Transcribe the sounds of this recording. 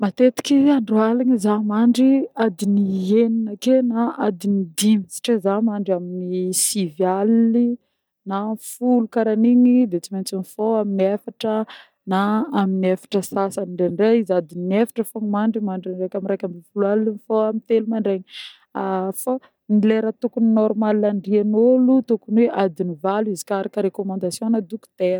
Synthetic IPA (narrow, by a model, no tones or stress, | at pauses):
mat̪et̪i̥kiaɳɖ͡ʐualaɲizamaɳɖ͡ʐiad̪inieninəkenaad̪inid̪imisi̥ʈ͡ʂezamaɳɖ͡ʐaminisivjali | nafulukaɾaniɲid̪et͡siment͡sinifoaminiafaʈ͡ʂə | naːminafḁʈ͡ʂəsasaniɳɖ͡ʐenɖ͡ʐeizad̪inefḁʈ͡ʂəfoŋimaɳɖ͡ʐimaɳɖ͡ʐirajkʲamiɾajkʲamifuluallinifoamint̪elumaɳɖ͡ʐeɲ | afa | nileɾət̪ukuninɔɾmalːaɳɖ͡ʐianolut̪ukunweʔad̪inivaluizi̥kaɾakəɾekomãnd̪asjoŋnad̪uku̥t̪eɾ